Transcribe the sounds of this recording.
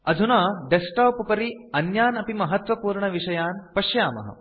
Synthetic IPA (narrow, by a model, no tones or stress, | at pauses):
ɐd̪ʱunaːɖesʈaːpɐpɐɾiɐnjaːnɐpimɐɦɐt̪ʋɐpuːɾɳɐʋiʂɐjaːnpɐʃjaːmɐ̰ɦɐ̰